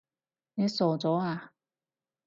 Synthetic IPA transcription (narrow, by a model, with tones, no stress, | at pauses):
ne˨˧˦soː˨˩t͡sɔː˨˦aː˨